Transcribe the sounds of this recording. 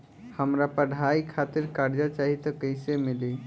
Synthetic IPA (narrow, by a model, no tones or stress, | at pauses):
həmɾapəɽ̤ʱaikʰat̪iɾkaɾd͡ʒat͡ʃaɦit̪ɔkəɪsemili